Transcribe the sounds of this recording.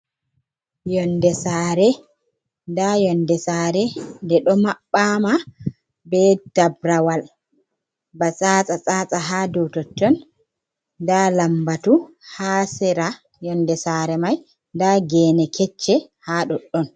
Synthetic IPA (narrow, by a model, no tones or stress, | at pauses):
jɔndɛsaːɾɛ | dajɔndɛsaːɾɛdɛɗɔmaɓːama | bɛd̥abɾawal | bat͡sʼaːt͡sʼat͡sʼaːt͡sʼaɦadɔwtɔtːɔn | dalambatuhaːsɛɾa | jɔndɛsaːɾɛmaj | ndaɡɛːnɛkʰɛt͡ʃːɛhaɗɔɗːɔn